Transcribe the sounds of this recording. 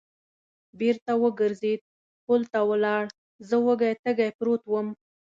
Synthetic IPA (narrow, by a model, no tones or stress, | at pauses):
beɾt̪awəɡəɾzed̪̚ | polt̪awəlɑɽ | zəwəɡajt̪əɡajpɾot̪wəm